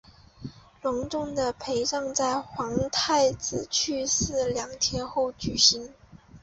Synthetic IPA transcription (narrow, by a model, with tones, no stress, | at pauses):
lwʊ˧˥ŋʈ͡ʂʊ˥˩ŋd̪ə˩pʰe˧˥ɪʂɑ˥˧ŋt͡sa˥˩ɪxwɑ˧˥ŋt̪ʰa˥˩ɪt͡sɹ̩˨˩t͡ɕʰy˥˧sɹ̩˥˩ljɑ˧˥ŋt̪ʰjɛ˥nxo˥˩ʊt͡ɕy˨˩ɕi˧˥n